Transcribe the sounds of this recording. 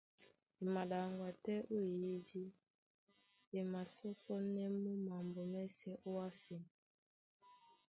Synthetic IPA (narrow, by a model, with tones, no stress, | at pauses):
e˨ma˨ɗa˨ŋɡwa˨tɛ˦ʔo˦i˨ji˦di˦ | e˨ma˨sɔ˦sɔ˦nɛ˦mu˦ma˨mbɔ˨mɛ˦sɛ˦ʔo˦a˦si˨n